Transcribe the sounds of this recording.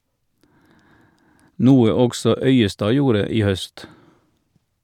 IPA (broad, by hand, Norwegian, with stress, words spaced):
ˈnuːə ˈɔɡsɔ ˈœʏəˌstɑː ˈjuːɾə ˈiː ˈhœst